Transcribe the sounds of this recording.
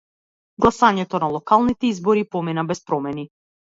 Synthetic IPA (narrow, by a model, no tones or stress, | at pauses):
ɡlˠasaɲɛt̪ɔnalˠɔkalˠnit̪ɛizbɔɾipɔminabɛspɾɔmɛni